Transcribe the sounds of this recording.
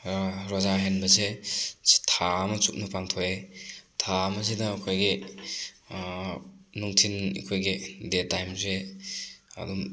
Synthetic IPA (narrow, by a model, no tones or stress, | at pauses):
ɾɔzaɦenbɐze̥ | tʰamɐt͡ʃuk̚nɐpaŋtʰoetʰamɐzedɐkʰojɡi | nuŋtʰinḭkʰojɡidetːajmze | a̰du